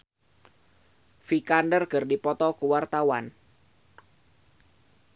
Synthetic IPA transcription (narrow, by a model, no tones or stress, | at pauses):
fikandərɡərdipɔt̪ɔkuwart̪awan